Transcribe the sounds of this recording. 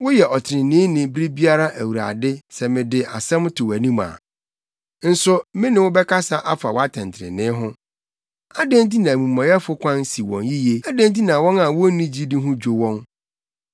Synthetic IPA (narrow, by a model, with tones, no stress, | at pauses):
wʊ˦jɛ˨ʔɔ˨tʰɪ˨ɾɪ̃˨nɪ̃ː˦nɪ̃˨bɾi˦bi˦a˦ɾa˦ʔæ˨wu˨ɾa̰˨dɪ˦sɛ˨mɪ̃˨dɪ˨a˨sɛ̃˦m˦tʰʊ˨wæ˨nĩ˦ma̰˨ | n̩˦sʊ˦mɪ̃˦nɪ̃˨wʊ˦bɛ˦ka˦sa˦ʔa˦fa˨wa˦tʰɛ̃˨ntʰɪ˨ɾɪ̰˨nɪ̃˦ɦʊ̃˦ | a˦dẽ˦n˦t̬i˦nã˨mũ˨mːã˨jɛ˦fʊ˦kʷʰã˦n˦si˨wɔ̰̃˨nji˦je˦a˦dẽ˦n˦t̬i˦nã˨wɔ̃˦na˨wɔ˦nĩ˦d͡ʑi˦dɪ˦ɦʊ̃˦d͡ʑᶣo˨wɔ̃˦n